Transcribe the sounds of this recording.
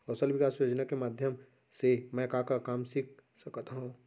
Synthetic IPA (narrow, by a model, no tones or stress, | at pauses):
ɔːɾsəlʋɪkaːsjoːd͡ʒnakemaːd̪ʱjəm | semɛ̃kaːkakaːmsik̚ʰ | sɐkt̪aɦũː